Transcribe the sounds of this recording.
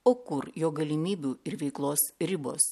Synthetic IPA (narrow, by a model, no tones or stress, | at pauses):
oːkʊɾjoːɡɐlʲɪmʲiːbʲuːɪɾʋʲɛɪklˠoːsɾʲɪboːs